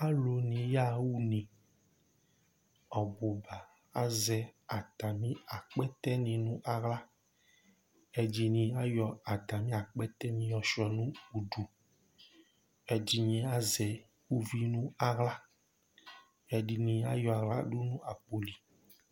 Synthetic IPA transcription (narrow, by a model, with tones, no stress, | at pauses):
a˦lo˨nĩ˨ja˦wu˦nĩ˨ | ɔ˨bo˨ba˨ | a˦zɛ˨a˨t̪a˨mĩ˦a˨k͡pɛ˦t̪ɛ˦nĩ˨nũ˦ʔa˨ɣla˦ | e˦d͡ʒi˦nĩ˨a˦jɔ˨a˨t̪a˨mĩ˦a˨k͡pɛ˦t̪ɛ˦nĩ˨jɔ˨ʃɔ˨nũ˦u˨ɖu˨ | ɛ˦d͡ʑi˦ɲĩ˦a˦zɛ˨ | wu˦vi˦nũ˦a˨ɣla˦ | e˨ɖi˨nĩ˨a˦jɔ˨a˨ɣla̰˦ɖu˦nũ˦a˨k͡po˨li˨